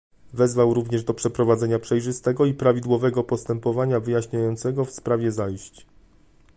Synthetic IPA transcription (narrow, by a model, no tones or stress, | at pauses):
vɛzvawɾuvɲɛʐd̪ɔpʂɛpɾɔvad̪zɛɲapʂɛjʐɘst̪ɛɡɔipɾavʲid̪wɔvɛɡɔpɔst̪ɛmpɔvaɲavɘjaɕɲajɔnt̪sɛɡɔfspɾavʲjɛzajɕt͡ɕ